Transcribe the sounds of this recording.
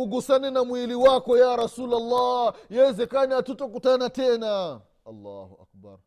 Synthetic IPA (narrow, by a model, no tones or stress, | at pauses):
uɡusaninamwiliwakɔjaɾasuːlalːajawɛzɛkaniatutɔkutanatɛna | alːahuʔa̰k̚ba̰ɾ